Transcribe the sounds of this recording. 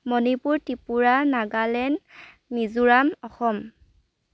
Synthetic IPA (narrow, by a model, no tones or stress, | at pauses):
mɔnipuɹtipuɹanaɡalɛn | mizuɹamɔxɔm